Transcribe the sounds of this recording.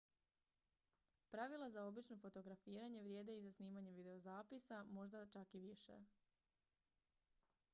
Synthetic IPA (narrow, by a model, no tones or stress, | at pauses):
pɾaʋilˠazao̞bit͡ʃno̞fo̞t̪o̞ɡɾafiːɾaɲe̞ʋɾje̞ːd̪e̞izasniːmaɲe̞ʋid̪e̞o̞zaːpisamo̞ʒd̪at͡ʃakiʋiʃḛ